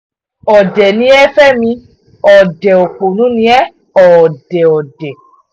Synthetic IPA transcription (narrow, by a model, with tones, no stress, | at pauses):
ɔ˨dɛ˨nĩ˨˦ɛ˦fɛ˦mĩ˧ | ɔ˨dɛ˨o˨k͡po˨nũ˨˦nĩ˦ɛ˦ | ɔ˨dɛ˨ɔ˨dɛ˨